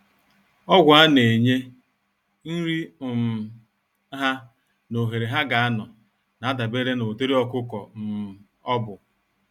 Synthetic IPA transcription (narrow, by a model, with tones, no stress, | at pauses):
ɔ˦ɡʷa˦ne˨ɲe˦ | n̩˦ɾi˦˨m̩˨˦ | ɦa˦ | no˨ɦe˨ɾe˨ɦa˦ɡa˨a˦nɔ˨ | na˨a˦da˨be˦ɾe˦no˨te˦ɾi˦ɔ˦kʊ˦kɔ˨m̩˨m˨ | ɔ˦bʊ˨